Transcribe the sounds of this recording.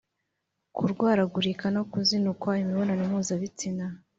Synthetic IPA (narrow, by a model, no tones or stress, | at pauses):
kuɾɡwaːɾaɡuɾikanokuzinukwaimiβonanumuːzaβit͡sina